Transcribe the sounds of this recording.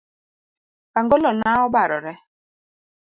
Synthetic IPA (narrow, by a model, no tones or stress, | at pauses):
aŋɡolɔnaʊbaɾɔɾe